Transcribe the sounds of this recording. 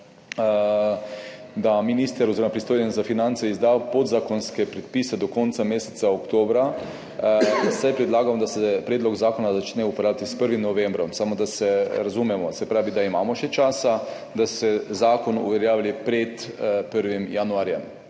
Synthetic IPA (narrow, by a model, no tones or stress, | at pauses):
d̪aminist̪əɾoziɾomapɾist̪oːjenzafinant̪sɛizd̪aːwpod̪zakonskɛpɾɛt̪pisɛd̪ɔkont̪sameːsɛ̥t̪saokt̪oːbɾa | sajpɾɛd̪laːɡamd̪asɛpɾeːd̪lɔɡzaːkonazat͡ʃnɛupoɾaːʋit̪ispəɾʋimnɔʋẽmbɾɔmsamod̪asɛɾazumɛmɔsɛpɾaːʋid̪aima̰ːmɔʃɛt͡ʃaːsa | d̪asɛzaːkonṵʋɛɾjaːʋlipɾɛt̪pəɾʋimjanuaːɾjɛm